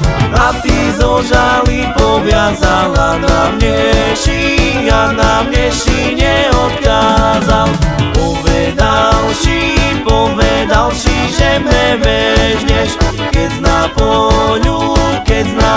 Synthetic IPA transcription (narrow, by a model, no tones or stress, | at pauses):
nat̪izɔʒalipɔvjazalanamɲɛʃi | janamɲɛʃi | ɲɛɔt̪kaːzalpɔʋɛd̪alʃipɔʋɛd̪alʃiʒɛmɛvɛʒɲɛʃ | kɛznapɔʎukɛzna